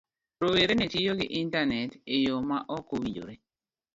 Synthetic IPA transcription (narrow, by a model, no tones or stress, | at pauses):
ɾoweɾenetijoɡɪ̰ʔintanɛtejomaʔɔkowid͡ʒo̰ɾe